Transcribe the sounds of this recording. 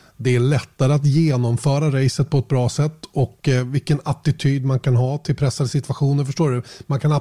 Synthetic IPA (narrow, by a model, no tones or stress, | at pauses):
d̪ɛæɭɛt̪ːaɾəat̪jeːnɔmfœːɾaɾɛjsət̪̚pʰɔɛt̪̚bɾɑːsɛt̪ːɔkvɪlkːənat̪ɪt̪ʰyːd̪mankʰanɦɑːt̪ʰɪlpʰɾɛsːad̪əsɪt̪vaɧuːnəɾfœʂʈoːɖɵmankʰana